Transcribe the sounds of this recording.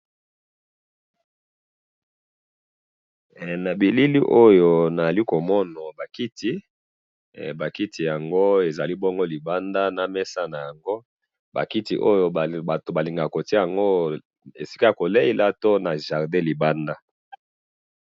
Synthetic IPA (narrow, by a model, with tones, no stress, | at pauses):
na˨bi˨li˦li˦ʔo˦jo˨na˨za˨li˦ko˨mɔ˦nɔ˨ba˨ki˦ti˦ | ba˨ki˦tʰi˨ja˨ŋɡo˦e˨za˨li˦bɔ˦ŋɡo˦li˨ba˦nda˦na˨mɛ˦sa˦na˨ja˨ŋɡo˦ | ba̰˨ki˦tḭ˨ʔo˦jo˦˨a˨to˨ba˨li˨ŋɡa˨ko˨ti˦ja˨ŋɡo˦ | ḛ˨si˦ka˦˨ko˨le˦i˦la˦to˦na˨ʒa˨ʁdɛ̃˦li˨ba˦nda˦